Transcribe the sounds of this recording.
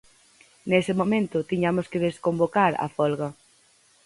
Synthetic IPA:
nesɪmomẽnt̪ʊt̪iɲamoskeðeskombokaɾɐ̰fɔlɣɐ

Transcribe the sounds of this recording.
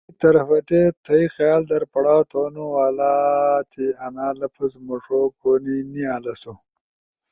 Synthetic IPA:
t̪ɐɾɐfɐʈet̪ʰɐixjaːld̪ɐɾpɐɽɑːt̪ʰoːnuwaːlaːt̪ʰiɐnaːlɐfʰɐzmuʂokoːniniaːlɐsu

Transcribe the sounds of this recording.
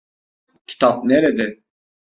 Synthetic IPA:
cʲʰi̥t̪ʰap̚neɾed̪ɛ

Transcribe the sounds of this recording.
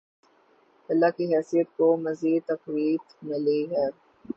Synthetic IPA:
ɐlːakiɦɛːsijət̪̚komɐziːd̪̚t̪ɐfɾiːt̪mɪliɦɛː

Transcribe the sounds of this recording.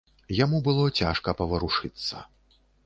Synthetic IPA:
jamubɨlˠɔt͡sʲa̰ʂkɐpɐvɐɾuʂɨt̪sːɐ̰

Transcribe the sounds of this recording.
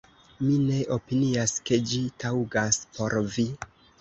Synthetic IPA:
mine̞ʔo̞piniaske̞d͡ʒitʰawɡaspo̞ɾvi

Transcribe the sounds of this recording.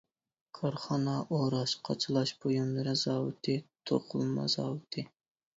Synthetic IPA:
kʰɑɾχɑnɑʔoɾɑʃqʰɑ̰t͡ʃʰɨlˠɑʃbojumlˠɨɾɨzɑːwɨ̰t̪ʰɨt̪ʰo̰qʰʊlˠmɑ̰z̥ɑ̰ːwɨt̪ʰɨ

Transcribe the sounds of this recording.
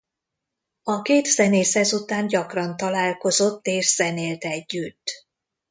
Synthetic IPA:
ɒkeːt̪sɛneːshɛzut̪aːɲɟɒkrɒnt̪ɒlaːlko̞zo̞t̪ːeːʃz̥ɛneːlt̪ɛɟːyt̪ː

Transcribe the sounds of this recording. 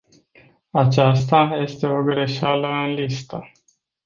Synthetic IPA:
at͡ʃast̪aje̞st̪e̞o̞ɡɾe̞ʃaləɨnlist̪ə

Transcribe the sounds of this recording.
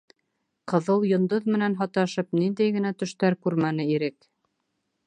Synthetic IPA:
qɤ̆ðɤlˠjŏnd̪oðmɘ̆nænɦɑt̪ɑʃɤpnind̪æjɡɘ̆næt̪ɵ̆ʃt̪æɾkʉɾmænɘiɾɘk

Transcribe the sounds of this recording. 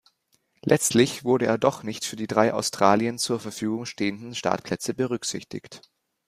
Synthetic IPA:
lʔɛt͡stlɪçv̥ʊɐɾəʔḛːɐdɔχnɪçtfyːɐdiːdʁaɪʔa̰ʊstʁ̥aːliənt͡suːɐfɛɐfyːɡʊŋʃteːəndn̩ʃta̰ɐtpʰl̥ɛt͡səbəʁʏkz̥ɪçtɪ̰çt

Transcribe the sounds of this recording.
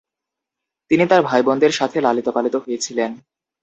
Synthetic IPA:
t̪init̪aɾbʱajbɔnd̪ʱeɾʃat̪ʰelalit̪opalit̪oɦojet͡ɕʰilen

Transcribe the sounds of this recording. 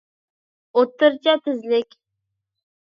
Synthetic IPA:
ot̪ːɨɾt͡ʃʰat̪ʰɪzlɪkʲ

